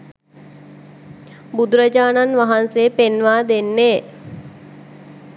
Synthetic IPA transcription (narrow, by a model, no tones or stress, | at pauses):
bud̪uɾəd͡ʒaːnanʋaɦanseːpenʋaːd̪enːeː